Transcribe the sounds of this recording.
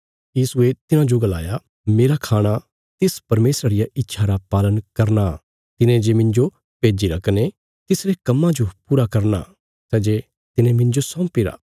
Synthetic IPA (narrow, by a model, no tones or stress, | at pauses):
jiːsʊet̪ɪnãd͡ʒoɡəla̰ːja | meːɾakʰaːɽ̃a | t̪ɪspɐɾmeːsɾaɾɪjaʔɪtːʃʰaɾapaːlənkɐɾna | t̪ɪnẽd͡ʒeːmɪ̃nd͡ʒo | peːd͡ʒiɾɐkʰne | t̪ɪsɾekɐmːãd͡ʒopuːɾakɐɾna̰ | sɛːd͡ʒeː | t̪ɪnẽmɪ̃nd͡ʒosɔ̃ːpɪɾa̰ː